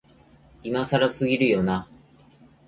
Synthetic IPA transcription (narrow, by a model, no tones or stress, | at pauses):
imasaɾasɨɡʲiɾɯ̟jo̞na